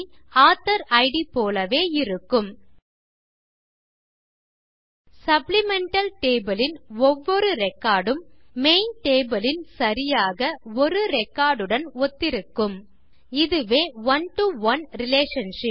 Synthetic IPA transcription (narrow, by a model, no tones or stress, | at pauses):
aːt̪ɐɾɐɪɽipoːlɐʋeːɪɾɯkːɯm | sɐplɪmɛɳʈɐlʈeːbɐlɪnɔʋːɔɾɯɾɛkːaːɽɯmːeːnʈeːbɐlɪnsɐɾɪjaːɣɐɔɾɯɾɛkːaːɽɯɽɐnɔt̪ːɪɾɯkːɯm | ɪðɯʋeːʋɐnʈuʋɐnɾɪleːʂɐnʂɪp